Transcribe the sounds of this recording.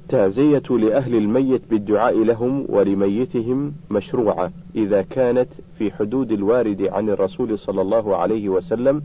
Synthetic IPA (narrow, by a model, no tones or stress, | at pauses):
t̪ːaʕzɪjat̪lɪʔaɦlɪlmajːɪt̪bɪd̪ːʊʕaːʔɪlaɦʊmwʔa̰lɪmajːɪt̪ɪɦɪmːaʃɾuːʕa | ʔɪðaːkaːnat̪fiːħʊd̪uːd̪alwaːɾɪd̪ʕanɪrˤːɑsuːlsˤɑlːɑlˤːɑːɦʕa̰lajhɪwasalːam